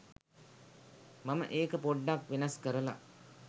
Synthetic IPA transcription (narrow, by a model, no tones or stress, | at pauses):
mamə̰ʔeːkəpoɖːakʋinaskəɾəla̰